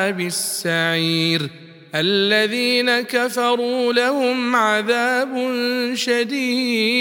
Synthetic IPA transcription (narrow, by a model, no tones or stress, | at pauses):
bɪsːaʕiːɾ | ʔalːaðiːnakafɑɾˤuːlahʊmʕaðaːbʊnʃad̪iː